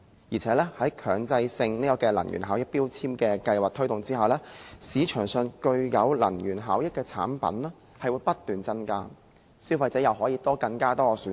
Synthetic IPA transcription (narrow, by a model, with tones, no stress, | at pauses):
jiː˨˩t͡sʰɛː˨˥lɛː˥hɐ˨˥jkʰœː˨ŋt͡sɐ˧jsɪ˧ŋniː˥kɔː˧kɛː˧lɐ̰˨˩nɥy̰ː˨˩nɦaː˨˥wjɪ˥k̚piː˥wt͡sʰiː˥mkɛː˧kɐ˧jwaː˨˩k̚t̪ʰɵ˥jt̪ʊ˨ŋt͡siː˥hɐ˨˩wlɛː˥siː˨˧t͡ʃʰœː˨˩ŋsœ˨˧nkɵ˧ɥjɐ˨˧wlɐ̰˨˩njyː˨˩nɦaː˨˥wjɪ˥k̚kːɛː˧t͡sʰa̰ː˨˥npɐ̰˨˥nlɛː˥ | hɐ˨jwuː˨˧˥jpɐ˥t̚t̪yː˨nt͡sɐ˥nkaː˥ | siː˥wfɐ˧jt͡sɛː˨˥jɐ˨wɦɔː˨˥jiː˨˧t̪ɔː˥kɐ˧ŋkaː˥t̪ɔː˥ɔː˨˧syː˨˥